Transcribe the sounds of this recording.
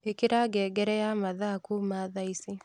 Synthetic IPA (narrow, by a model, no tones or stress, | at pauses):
ekiɾaɡɛːɡɛɾɛjamaðakumaðaisi